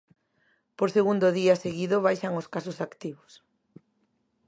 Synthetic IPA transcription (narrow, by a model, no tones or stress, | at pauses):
poɾseɣund̪oðiaseɣiðoβ̞ajʃaŋoskasʊsakt̪iβos